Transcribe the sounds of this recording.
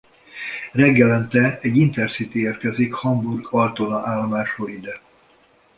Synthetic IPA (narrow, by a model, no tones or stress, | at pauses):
rɛɡːɛlɛnt̪ɛɛɟːint̪ɛrsit̪ieːrkɛzikhɒmburɡɒlt̪onɒʔaːlːɒmaːʃroːlid̪ɛ